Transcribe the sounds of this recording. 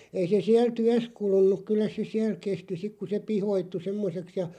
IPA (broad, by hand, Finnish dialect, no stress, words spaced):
ei se siæl tyæs kulunˑuk kylːæ se siæl kesti sik ku se pihoitːu semːoseks jɑ